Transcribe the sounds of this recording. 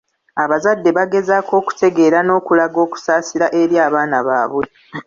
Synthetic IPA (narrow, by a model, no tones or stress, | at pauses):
aβazadːe̞βaɡe̞zakʰo̞ːku̥te̞ɡe̞ːɾano̞ːkulaɡo̞ːku̥saːsiɾaʔe̞ɾjaːβaːnaβa̰ːβwe